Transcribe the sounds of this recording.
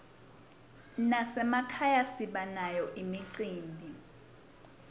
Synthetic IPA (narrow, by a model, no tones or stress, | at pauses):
nasɛmakʰajasiɓanajɔʔimiǀiːmbʱi